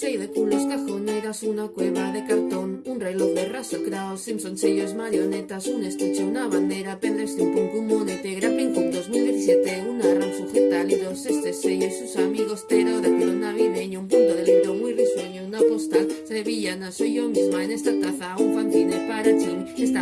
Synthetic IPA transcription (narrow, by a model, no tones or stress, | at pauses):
sejðekuloskaxoneɾasunakweβaðekalt̪onunreloerasakɾaosinsonseʎozmaɾjonet̪asunest̪et͡ʃeunaβand̪eɾapeðeɾseumpuŋkumonet̪eɣɾapeŋkund̪ozmild̪eθisjet̪eunaransofet̪aliðosest̪esejosusamiɣost̪eɾoðakɾonaβiðeɲoumpunt̪oðeleðomujrisweɲonapost̪aseβiʎanasojomizmaenest̪at̪aθauɱfanθinepaɾat͡ʃiŋest̪a